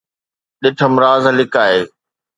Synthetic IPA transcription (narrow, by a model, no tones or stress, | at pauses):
ɗɪʈʰəmɾaːzlɪkaːɦeː